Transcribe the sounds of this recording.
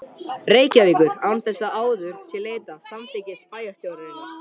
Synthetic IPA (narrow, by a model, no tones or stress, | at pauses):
reːjcaviːkʏɾawnθɛsːaʔaːwðʏɾ̥sjɛleːjt̪asamt̪ʰejcɪspaːjast̪jowɾɪɪn